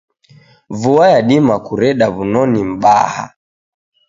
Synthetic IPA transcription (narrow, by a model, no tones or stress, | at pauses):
vuajaɗimakuɾɛɗaβunɔnim̩ba̰ha̰